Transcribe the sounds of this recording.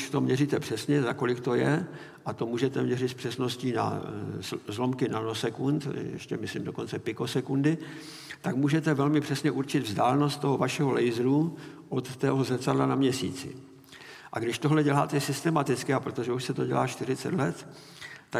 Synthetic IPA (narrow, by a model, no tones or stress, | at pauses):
ʃt̪o̞mɲɛrit̪ɛpr̥ɛsɲɛzako̞lɪkt̪o̞jɛ | ʔat̪o̞muːʒɛt̪ɛmɲɛrɪt̪spr̥ɛsno̞sciːna̰ | zlo̞mkɪnanosɛkunt̪jjɛ̰ʃcɛmɪslɪmdo̞ko̞nt͡sɛpɪko̞sɛkundɪ | t̪akmuːʒɛt̪ɛvɛlmɪpr̝̥ɛsɲɛʔuɾt͡ʃɪd̪vzdaːlɛno̞st̪t̪ːo̞ɦo̞vaʃɛɦo̞lɛjzɾu | ʔot̪ːɛɦozɛsadlanamɲɛsḭːt͡sɪ̰ | ʔa̰ɡdɪʃt̪oɦlɛɟɛlaːt̪ɛsɪst̪ɛmat̪ɪt͡skɪapɾot̪o̞ʒɛuʃsɛt̪o̞ɟɛ̰la̰ːʃt̪ɪrɪt͡sɛ̰t̪lɛt̪ː | a